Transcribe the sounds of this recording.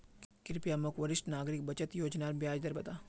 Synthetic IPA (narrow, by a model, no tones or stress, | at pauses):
kkɪɾpijaːmɐkʋəɾɪsʈnaːɡɾɪk̚bɐt͡ʃət̪joːd͡ʒnaːɾbjaːd͡ʒd̪ɐɾbɐt̪aː